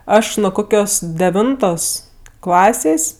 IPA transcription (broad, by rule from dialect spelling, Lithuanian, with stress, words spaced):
ˈɐʃ nʊ ˈkoːkʲoːs dʲɛˈʋʲɪntoːs ˈklˠɑːsʲeːsʲ